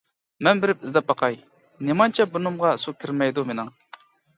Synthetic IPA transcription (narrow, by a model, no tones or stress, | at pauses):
mɛnbɪɾɪp̚ɪzd̪ɛp̚bɑqʰɑj | nemɑnt͡ʃʰɛbunɨmʁɑsukʲʰiɾmɛjd̪umenɪŋ